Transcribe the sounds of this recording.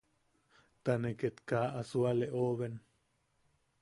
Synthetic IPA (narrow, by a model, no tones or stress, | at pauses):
t̪aneket̪kaʔasualeʔoβen